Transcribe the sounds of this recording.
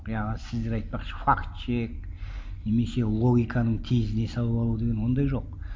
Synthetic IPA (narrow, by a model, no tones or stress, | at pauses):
qjɑʁənəsɪzd̪eɾɑjt̪̚pɑqʃə̥fakt̪t͡ʃek̚neme̞se̞lˠo̞ɡʲijkʰɑnəɴt̪ʰezɪne̞sɑlˠəpɑlˠud̪e̞ɡʲe̞nwo̞nd̪ɑjʒo̞q